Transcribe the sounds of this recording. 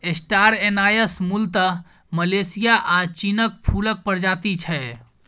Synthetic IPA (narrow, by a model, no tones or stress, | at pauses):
esʈaɾenajəsmult̪ə | məlesijaʔat͡ʃinək̚pʰulək̚pəɾd͡ʒat̪it͡ʃʰɛ